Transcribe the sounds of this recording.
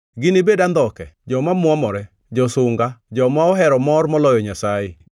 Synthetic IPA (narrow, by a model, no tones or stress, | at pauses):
ɡɪnebedand̪ɔkɛ̰d͡ʒɔmamwɔmɔɾɛ | d͡ʒɔsʊŋɡad͡ʒɔmaɔɦɛɾɔmɔrmɔlɔjɔɲasaɪ